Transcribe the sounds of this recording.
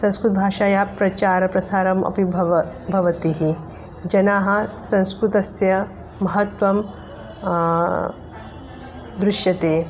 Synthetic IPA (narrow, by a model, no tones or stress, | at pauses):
sɐ̃skɾut̪̚bʱaːʂaːjaːpɾɐt͡ʃaːɾɐpɾɐsaːɾɐmɐ̰pibʱʋbʱɐʋɐt̪iɦi | d͡ʒɐnaːɦɐ̆sɐ̃ñskɾut̪ɐsjɐ | mɐɦɐt̪ʋɐm | d̪ɾuʃjɐt̪eː